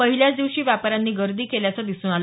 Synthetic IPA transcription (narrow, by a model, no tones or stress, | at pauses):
əɦiljat͡sd̪iʋɕiːʋjapɾanːiːɡəɾd̪iːkeljat͡sad̪isuːnal